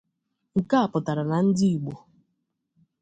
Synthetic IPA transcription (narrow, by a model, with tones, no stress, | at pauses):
ŋ̩˨ka˦a˨pʊ˨ta˨ɾa˨na˨n̩˦dɪ˦i˨ɡ͡bo˨